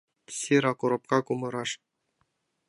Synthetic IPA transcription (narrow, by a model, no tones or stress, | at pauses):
sʲiɾɑkuɾop̚kɑkumɤ̆ɾɑʂ